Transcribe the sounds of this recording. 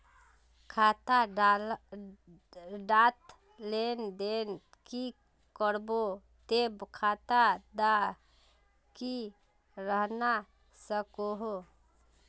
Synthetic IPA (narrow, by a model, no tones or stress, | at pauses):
kʰat̪a | ɖat̪ | lend̪en | ki | kəɾbo | t̪ebkʰat̪ad̪a | ki | ɾəɦna | səkoɦo